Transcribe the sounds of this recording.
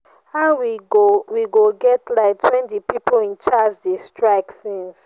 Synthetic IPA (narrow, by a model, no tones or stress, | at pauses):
haʊwiɡowiɡoɡɛtlaɪk̚tʰwɛ̃ntipipolĩnt͡ʃad͡ʒdestɹaɪksĩns